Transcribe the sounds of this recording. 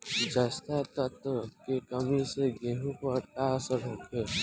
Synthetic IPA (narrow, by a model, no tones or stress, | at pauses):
d͡ʒast̪ʰat̪ət̪kekəmiseɡẽɦũpəɾt̪asəɾɦoːkʰeː